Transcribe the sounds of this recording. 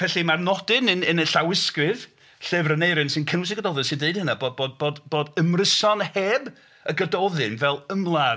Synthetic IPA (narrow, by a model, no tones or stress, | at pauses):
pʰɛɬimarnɔdɨnɨnɨnəɬawɪskrɨð | ɬɨːvrənejɾɨnsɨnkʰənwɪs̬əɡədɔðɨnsɪndeɨd̥̚ənaboːdboːd̚boːdb̥oːdəmrəsɔnheːb | əɡədɔðɨnvɛlˠəmlˠa